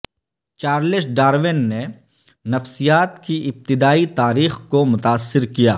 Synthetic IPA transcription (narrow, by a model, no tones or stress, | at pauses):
t͡ʃaːɾlɪsɖaːɾʋɪnːe | nɐfsijaːt̪kiʔɪb̚t̪ɪd̪aːit̪aːɾiːxkomʊt̪aːsːɪɾkija̰ː